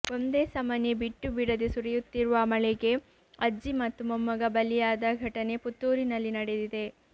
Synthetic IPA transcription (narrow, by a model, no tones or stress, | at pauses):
o̞nd̪e̞ːsɐmɐnebiʈːubiɽɐd̪esuɾɛjut̪ːiɾuʋɐmɐɭɛɡe̞ | ɐd͡ʒimɐt̪ːumɐmːɐɡɐbɐlːijaːd̪ɐɡʱɐʈɐne̞put̪ːuːɾinɐlːinɐɽed̪id̪e̞